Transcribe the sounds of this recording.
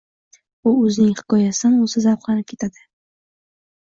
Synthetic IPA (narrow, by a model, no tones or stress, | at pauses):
ʊɵznɪŋhɪ̥kɒjasɪanozɪzawqlanɪp̚kʰʲe̞t̪ʰad̪ɪ